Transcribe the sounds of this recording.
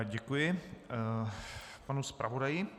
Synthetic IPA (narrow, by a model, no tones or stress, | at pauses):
ɟɛkujɪ | panuspɾʔavodajɪ